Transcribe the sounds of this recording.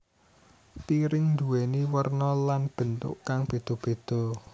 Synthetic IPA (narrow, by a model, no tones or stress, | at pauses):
piɾɪŋnd̪uweniwərnɔlanb̥ənt̪ʊ̰ʔkaŋb̥e̤d̪̥ɔ̤b̥e̤d̪̥ɔ̤